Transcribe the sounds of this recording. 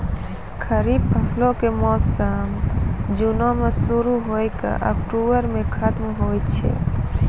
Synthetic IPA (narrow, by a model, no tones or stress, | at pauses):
kʰəɾib̚pʰəslõkemɔssamd͡ʒunõmesuɾuɦojka̰ʔɔ̰k̚ʈuʋəɾmẽkʰət̪mɦojt͡ʃʰḛ